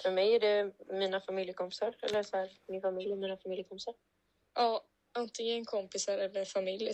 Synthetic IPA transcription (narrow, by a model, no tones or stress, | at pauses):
fœɾmɛjæɖɛmiːnafamɪljəkʰɔmpɪ̥saɾɛ̰lːəsɔhæːɾmɪnfamɪljɛɾmiːnafamɪljəkʰɔmpɪ̥saɾ | ʔɑː | ant̪ɪŋənɛnkʰɔmpɪsaɾɛlːəfamɪlj